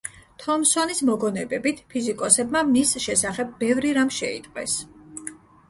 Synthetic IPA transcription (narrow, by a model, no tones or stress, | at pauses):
t̪ʰɔmsɔnismɔɡɔnɛbɛbit̪ʰpʰizikʼɔsɛbmamisʃɛsaχɛb̚ːɛvɾiɾamʃɛḭt̪ʼqʼwɛ̰s